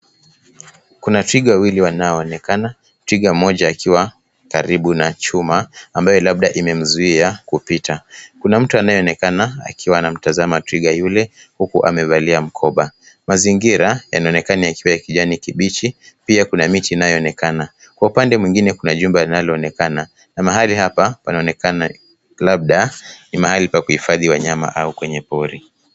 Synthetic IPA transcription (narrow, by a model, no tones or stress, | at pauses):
kunatɾiɠawawiliwanajɔːnɛkana | tɾiɠamɔʄaːkiwa | kaɾiɓunat͡ʃumaːmbajɔlaɓ̚ɗaʔimɛm̩zuiakupitakunam̩tuanajɔɔnɛkanaa̰kiwaːnam̩tazamatɾiɠajulɛ | hukuʔa̰mɛvaliam̩kʰɔɓa | maziŋɡiɾaja̰naɔnɛkaniakiwajakiʄanikiɓit͡ʃipiakunamitiːnajɔːnɛkana | kwaupandɛmwiŋɡinɛkunaʄumbɛlinalɔːnɛkana | namaɦalihapapanaɔnɛkana | lab̚ɗanimahalipakuhifaðiwaɲama̰ʔaukwɛɲɛpɔɾi